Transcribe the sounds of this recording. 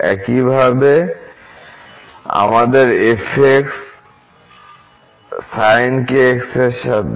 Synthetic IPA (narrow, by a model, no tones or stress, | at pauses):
ɛ̰kibʱabe | a̰mad̪eɾefʰeks | sajnkeekseʃa